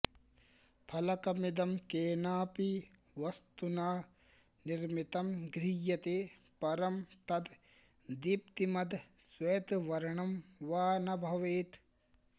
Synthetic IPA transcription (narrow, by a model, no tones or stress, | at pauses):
pʰɐlɐkɐmid̪ɐmkeːnaːpi | ʋɐst̪unaː | niɾmit̪ɐmɡɾijɐt̪epɐɾɐmt̪ɐd̪ | d̪ipt̪imɐd̪ʱsweːt̪ʋɐɾɐɳɐmʋaːnɐbʱɐʋeːt̪